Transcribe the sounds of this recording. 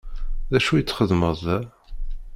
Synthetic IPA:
ðæʃujət͡sːχəðməðˤ

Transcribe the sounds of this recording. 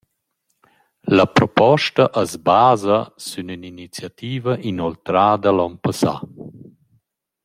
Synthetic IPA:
ləpɾɔpɔʃtɐʔəzbaːzəsynyninit͡sjat̪iːvəʔinɔlt̪ɾaːd̪əlɔnpasa̰

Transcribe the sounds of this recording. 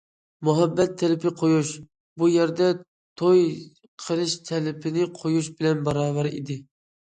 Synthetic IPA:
muɦɛbːɛt̪ʰːɛlɪpʰɪqʰojuʃ | bujɛɾd̪ɛ | t̪ʰoj | qʰəlˠɨʃt̪ʰɛlɪpʰɪnɪqʰojuʃbɪlɛnbɑɾɑːvɛɾḭd̪ɪ

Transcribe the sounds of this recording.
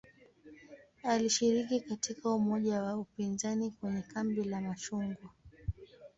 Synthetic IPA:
aliʃiɾikikatikaumɔʄawaupinzanikwɛɲɛkambilamaʃuŋɡɔ

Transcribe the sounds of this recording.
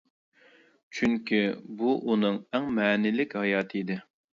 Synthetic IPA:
t͡ʃʰyŋkʲybuʔunɨŋɛŋmɛːnɪlɪkʲhɑjɑːt̪ʰɨid̪ɪ

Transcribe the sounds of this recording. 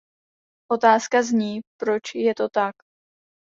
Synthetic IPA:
ʔo̞t̪aːskazɲiːpɾo̞t͡ʃjɛt̪o̞t̪ak

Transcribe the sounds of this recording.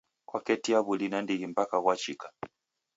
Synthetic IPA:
kwakɛtiaβulinandiɣim̩pakaɣwat͡ʃikḁ

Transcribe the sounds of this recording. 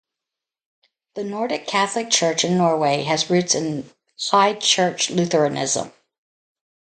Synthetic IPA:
ðɨnɔɹɾɨkʰæθlɨk̚t͡ʃʰɜ˞t͡ʃɨ̃nːɔɹweɪɨzɹʉtsɨ̃n | saɪt͡ʃʰɜ˞t͡ʃlʉθə˞ɨnɪ̰zə̰̃m

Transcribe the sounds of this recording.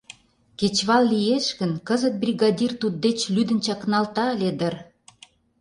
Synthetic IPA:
ket͡ɕβɑlːijeʃɣə̆nkəzət̪̚brʲiɣɑd̪ʲirt̪ud̪̚ːet͡ɕlyd̪ə̆nt͡ɕɑknɑlt̪ɑlʲed̪ər

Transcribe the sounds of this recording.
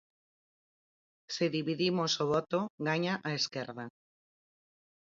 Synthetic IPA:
seðiβiðimosoβot̪oɣaɲaʔaeske̞ɾða

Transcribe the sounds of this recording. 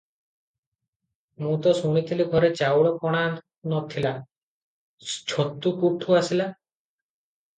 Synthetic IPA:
mũt̪ɔsuɽ̃it̪ʰiliɡʱɔɾet͡ʃawɭɔkɔɽ̃a | nɔt̪ʰila | t͡ʃʰot̪ːukuʈʰuasila

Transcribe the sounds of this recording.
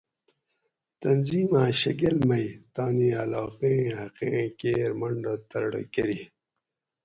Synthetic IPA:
t̪ɐnziːmãɕɐɡelmɐjt̪ɑːnialɑːqẽːhɐqẽkeːɾmɐɳɖat̪ɐɾɽə̰kɐɾi

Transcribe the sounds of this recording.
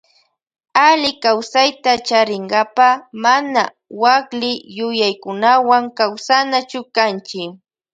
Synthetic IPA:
alɪkawsajt̪at͡ʃaɾɪŋɡapamana | waklɪjʊjajkʊnawaŋkawsanat͡ʃʊkant͡ʃɪk

